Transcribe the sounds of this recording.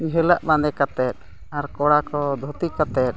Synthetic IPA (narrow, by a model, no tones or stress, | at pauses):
iɦɛlaʔbãnd̪ɛkat̪ɛt̪̚ | aɾkɔɽakɔd̪ʱut̪ikat̪ɛt̪̚